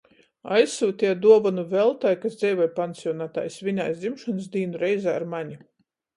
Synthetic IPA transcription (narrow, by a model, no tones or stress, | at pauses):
ajsuːt̪ʲid̪uɔvanuvɛlˠt̪ajkasd̪zɛjvajpant̪siɔnaːt̪a̰ːjsvʲiɲʲajsd̪zimʃɔnsd̪iːnuɾɛjzaːɾmaɲi